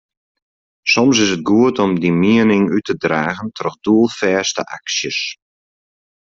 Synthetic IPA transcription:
sɔms̬ɪsət̚ɡuətɔmdimiənɪŋytədraːɣəntʰrɔxduəlˠfɛːstə̰ʔa̰ksjəs

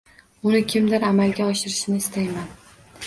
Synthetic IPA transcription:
ʊnɪkʲʰɪmd̪ɪɾamalɡʲaɒʃɪɾɪʃnɪɪst̪ʰajman

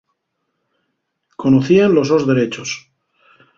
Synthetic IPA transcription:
konoθianlo̞zðozðe̞ɾe̞t͡ʃos

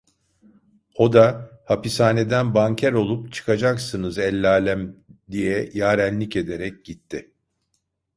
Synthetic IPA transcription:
o̞d̪ahapisaːne̞d̪ænbaɲcʰæɾo̞lˠupt͡ʃʰɯ̥kʰad͡ʒaksɯnɯzɛlʲːaːlʲæmd̪ijɛjaːɾænʲlʲice̞d̪e̞ɾɛc̚ɟit̪ʰːɪ

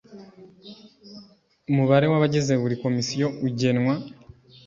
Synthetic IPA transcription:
muβaɾewaβaɟezeβuɾiko̞misijo̞uɟe̞nwa

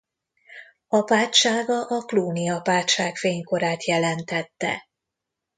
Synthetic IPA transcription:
ɒpaːtʃaːɡɒʔɒkluːnijɒpaːt̪ʃaːkfeːɲko̞ɾaːt̪jɛlɛnt̪ɛt̪ːɛ̰

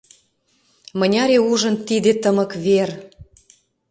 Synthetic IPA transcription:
mənʲɑɾeuʒə̆nt̪id̪et̪əmə̆kβer

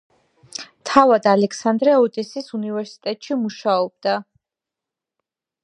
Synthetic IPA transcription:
t̪ʰavad̪alɛkʰsand̪ɾɛɔt̪ʼisisunivɛɾsi̥t̪ʼɛt̪ʼʃimuʃaɔb̚d̪a

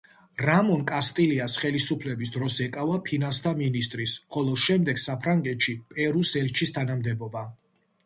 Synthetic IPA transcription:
ɾamɔnkʼast̪ʼiliasχɛlisupʰlɛbisd̪ɾɔsɛkʼavapʰinanst̪ʰaminist̪ʼɾisχɔlˠɔʃɛmd̪ɛɡsapʰɾaŋɡɛt̪ʃipʼɛɾusɛlt͡ʃʰist̪ʰanamd̪ɛbɔba

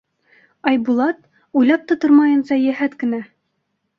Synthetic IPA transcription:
ɑjbulˠɑt̪̚ | ujlɑp̚t̪ɑ̆t̪oɾmɑjɤ̆nsɑjæɦæt̪kɘ̆næ

